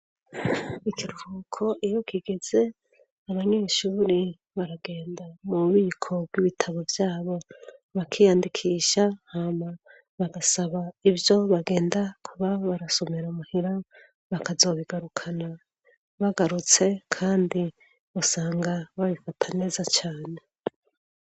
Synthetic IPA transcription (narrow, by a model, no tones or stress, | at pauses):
ikʰiɾuhukʰo̞ʔijo̞kʰiɡe̞z̥e̞ | aβaɲe̞ːʃuːɾe | βaɾaɡe̞ːndamuβiːkʰo̞bɡiβitʰaβo̞vjaːβo̞βakʰijaːndikʰiːʃahama | βaɡasaβaivjo̞βaɡe̞ːndakʰuβaβaɾaso̞meɾamuhiɾa | βakazo̞ːβiɡaɾukʰana | βaɡaɾut͡se̞kʰaːndi | usaːŋɡaβaβifatʰane̞ːzat͡ʃaːne̞